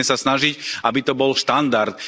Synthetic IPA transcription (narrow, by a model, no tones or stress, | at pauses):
ɛsasnaʒicabit̪ɔbɔlʃt̪and̪aɾt̪